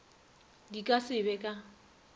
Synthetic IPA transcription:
dikʼasɪbɛkʼa

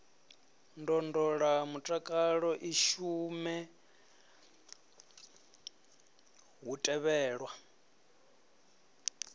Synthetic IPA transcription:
ndɔndɔɺamutʼakʼaɺɔʔiʃumɛ | ɦutʼɛβɛːɺwa

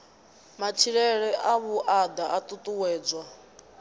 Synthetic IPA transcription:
mat͡ʃʰiɺɛɺɛʔaβuʔad̪aat̪ʼut̪ʼuwɛːd͡zwa

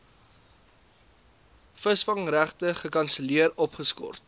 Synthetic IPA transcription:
fəsfɐŋræχtəχəkɐnsəliəɾɔpχəskɔ̰rt̚

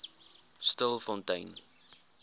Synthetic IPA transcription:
stəlˠfɔntəjn

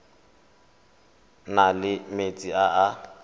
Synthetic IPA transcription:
nalɪmet͡sʼiaa

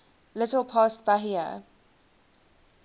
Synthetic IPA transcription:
lɪtəlˠpʰɑˑst̚b̥aɦiə̰

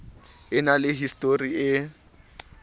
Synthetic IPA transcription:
ɪnalɪɦistʼoriɪ

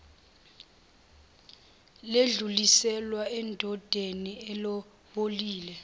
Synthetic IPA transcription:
leɮulisɛlwaɛndʱɔd̥ʱeniɛlɔ | ɓoliːlɛ

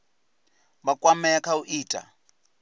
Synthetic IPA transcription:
bakʼwamɛkʰauʔiːtʼa̰

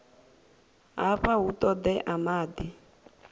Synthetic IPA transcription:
ɦaɸaɦut̪ɔd̪ɛʔamaːd̪i

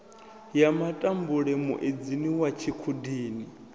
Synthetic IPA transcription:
jamatʼambuɺɛmṵʔed͡ziniwat͡ʃʰikʰudiːni

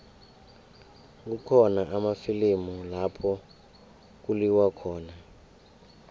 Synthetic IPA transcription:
k̬ukʰɔnaʔamafilimulapʰɔ | k̬uliwakʰɔːna

